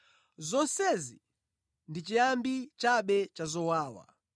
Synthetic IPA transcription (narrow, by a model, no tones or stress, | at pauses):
zɔnsɛzi | ndit͡ʃijambit͡ʃaɓɛt͡ʃazɔwaːwa̰